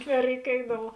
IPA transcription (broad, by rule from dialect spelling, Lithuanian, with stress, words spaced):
nʲɛrʲɛɪˈkʲeːdɐʋʊ